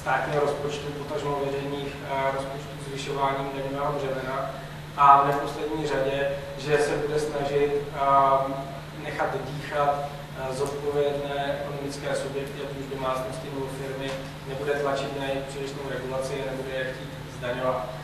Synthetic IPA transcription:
st̪aːt̪ɲiːɦoɾo̞spo̞t͡ʃt̪upot̪aʒmovjɛɾɛjniːxɾospot͡ʃt̪uːzvɪʃo̞vaːɲiːmdɛmubaoʒɛvɛna | ʔanɛfpo̞slɛdɲiːr̝aɟɛ | ʒɛsɛbudɛsnaʒɪt̪ | nɛxat̪diːxat̪ | zo̞t̪̚po̞vjɛdnɛːɛko̞nomɪt͡skɛːsubjɛkt̪ɪapuʒdomaːt͡snoscɪnobofɪɾmɪ | nɛbudɛt̪lat͡ʃɪt̪najɪpr̝̥ɪlɪʃnowɾɛɡulat͡sɪanɛbudɛxciːt̪zdaɲo̞vat̪

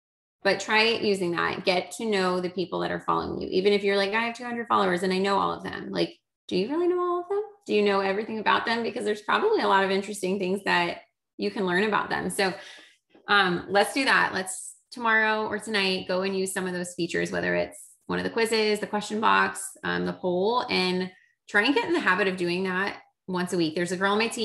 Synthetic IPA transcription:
b̥ʌtʰɹ̥aɪjʔʉzɪ̃ŋðæ̰t̚ɡ̥ɛtʰɨnoʊðɨpʰipl̩ˠðɨ̰ɾə̰˞fɑ̰lˠo̰ʊɪ̰̃ŋjʉ̰ʔivɨ̃ñɨfjə˞laɪkaɪɨv̥tʰʉhʌ̃ndɹəd̥fɑ̰lˠoʊə˞zɨ̃naɪnoʊɔ̰lˠʌ̰vðɨ̰̃mla̰ɪk̚ | d̥ɨjɨɹɪlˠinoʊɔlˠʌvðə̃md̥ɨjɨnoʊɛvɹiθɪ̃ŋɨbaʊt̪̚ðɨ̃mbɨkʌzðə˞z̥pʰɹ̥ɑ̰bəbliəlɔɾʌvɪ̃nt͡ʃɹ̥ɨstɪ̃ŋθɪ̃ŋzðɨt͡ʃ | ɨkʰɨ̃nlɜ̃˞ñɨbaʊt̪̚ðɨ̰̃msoʊ | ʔʌ̃mlətsd̥ɨðæ̰ʔlʔəts | tʰəmɑɹoʊʔə˞tʰɨnaɪt̚ɡ̥oʊɨ̃njʉz̥sʌ̃mʌvðoʊz̥fit͡ʃə̰˞zwɛ̰ðə̰˞ɪ̰ts | wʌ̃ñʌvðɨkʰw̥ɪzɪzðɨkʰw̥ɛst͡ʃɨ̃n̩bɑ̰ksʌ̰̃mðəpʰoʊlˠɨ̃n | tʰɹ̥aɪɨ̃nɡɛɾɨ̃n̩ðɨɦæbɨɾʌvdʉɪ̃ŋðæt̚ | wʌ̃nsɨwik̚ðə˞zɨɡɜ˞lˠmeɪtʰi

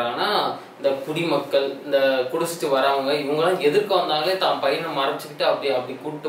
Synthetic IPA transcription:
aːnaː | ɪnd̪ɐpʊɽimɐkːɐɭɪnd̪ɐkʊɽʊsɪ̥t̪ːɯʋɐɾaːʋɯŋɡɐɪʋɐŋɡɐlãːɛðɯɾkːɯʋɐnd̪aːŋɡɐleːt̪ãːnpɐjɐɾnɯmaːɾɐɪt͡ʃːɯkːɪʈːɯɐpːɐɽiɐpːɐɽikuːɽɪʈːɯ

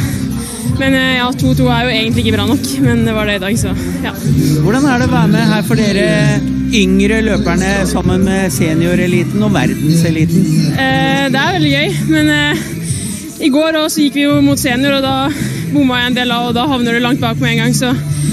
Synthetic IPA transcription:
mɛnjɑːt̪ʰuːt̪uːæɾjʊeːɡənt̪lɪɪkːəbɾɑːnɔkːmɛnd̪ɛʋɑɖɛɪd̪ɑːɡsɔ | jɑːʋʊɖɑnæɖɛɔʋæːɾmɛɦæːɾfɔɖeːɾə | ʏŋɾəløːpæɳəsɑmːənmɛseːnɪʊɾɛliːt̪ən̩ɔʋæ̰ɾd̪n̩sɛliːt̪n̩n | d̪ɛæɾʋɛld̪ɪɡœʏmɛn | ɪɡoːɾɔsɔjɪkːʋɪjʊmʊːt̪seːnɪʊɾɔd̪ɑ | bʊmːɑæɛnd̪eːlɑʋɔd̪ɑɦɑʋnəɖʉlɑŋt̪̚bɑːkɔmɛɛːŋɡɑŋːsɔ

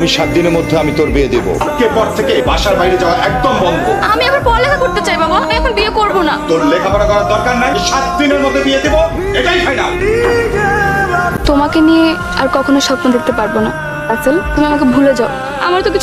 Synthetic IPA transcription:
miʃat̪̚d̪ineɾmod̪ʱːeamit̪oɾbied̪ebo̰kepɔɾt̪ʰekebaʃaɾbajɾed͡ʑaoaɾʔɛk̚d̪ombɔnd̪ʱoamiɛbaɾpɔɾlɛkʰakoɾt̪et͡ɕajbabaamiɛkʰonbiekoɾbonat̪oɾlekʰapɔɾakɔɾaɾd̪ɔɾkaɾnajʃat̪̚d̪ineɾmod̪ʱːeb̪ied̪ebo | eʈajʃʰajna̰ | t̪omakenije | aɾkɔkʰonoʃɔpnod̪ek̚t̪epaɾbona | asəlt̪umiamak̬ebʱuled͡ʑao | a̰maɾt̪okit͡ɕʰ

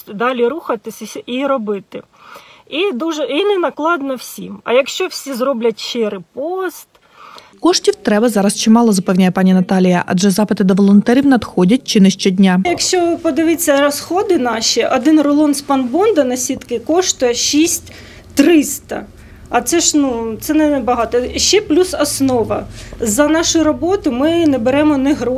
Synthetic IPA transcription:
d̪ɑlʲiɾuxɐt̪ɪsʲɐiɾɔbɪt̪ɪ | id̪uʒɛinɛnɐklˠɑd̪nɔwsʲḭmɐ̰jɐkʃt͡ʃɔwsʲizrɔblʲɐtʲʃɪɾɪpɔst̪ | kɔʂtʲiwt̪ɾɛbɐzɑɾɐst͡ʃɪmɑlˠɔzɐpɛwnʲajɛpɑnʲinɐt̪ɑlʲijɐ̰ʔɐ̰dd͡ʒɛzɑpɪt̪ɪd̪ɔʋɔlˠɔnt̪ɛɾʲiwnɐd̪xɔdʲɐt̚ʲt͡ʃɪnɪsʃt͡ʃɔdʲnʲajɐkʃt͡ʃɔpɔd̪ɪʋɪt͡sʲːɐɾɔsxɔd̪ɪnɑʃʲiʔɔd̪ɪnrɔlˠɔnspɐnbɔnd̪ɐnɐsʲit̪kɪkɔʃt̪ʊjɐʃisʲtʲ | t̪ɾɪst̪ɐ̰ | ɐt̪sɛʃnut̪sɛnɛbɐɦɑt̪ɔʃɛplʲusɐsnɔʋɐ̰zɐnɑʃʊɾɔbɔt̪ʊmɪnɛbeɾɛmɔnɛɦɾɔ

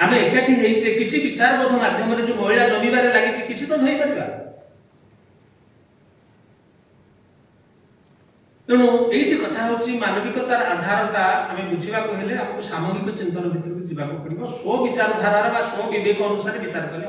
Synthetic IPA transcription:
ameːkaʈʰiɦejd͡ʒekit͡ʃʰibit͡ʃaɾɔbɔd̪ʱɔmad̪ʱjɔmɔɾed͡ʒemɔɦiɭad͡ʒɔmibaɾelaɡit͡ʃʰikit͡ʃʰit̪ɔd̪ʱojkɔɾiba̰ | t̪eɽ̃ũeiʈʰikɔt̪ʰaɦowt͡ʃʰimanɔɡikɔt̪aɾʔad̪ʱaɾɔt̪aameput͡ʃʰibakuɦeleamɔkusamɔɡikɔt͡ʃint̪ɔɾɔbʱit̪ɾut̪ud͡ʒibakupɔɾibɔsɔbit͡ʃaɾɔd̪ʱaɾaɾɔbasɔbid̪ekɔːnusaɾebit͡ʃaɾɔkɔle

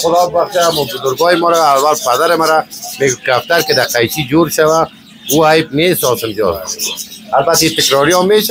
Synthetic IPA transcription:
xʊd̪ɔːbbaχʃamɔbʊzʊɾɡɔːjemɔːɾaːwalpad̪aɾemaɾameɡkɾaft̪aɾked̪aqajt͡ʃid͡ʒoːɾʃawã | uːajp̚neːsɔːsɪmd͡ʒɔ̰ːaaɾbat̪iːt̪ɪkɾɔɾijɔːmeːʃa

